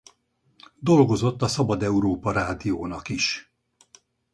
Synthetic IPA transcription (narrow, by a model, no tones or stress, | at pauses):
d̪o̞lɡo̞zo̞t̪ːɒsɒbɒd̪ɛuɾoːpɒɾaːd̪ijoːnɒkiʃ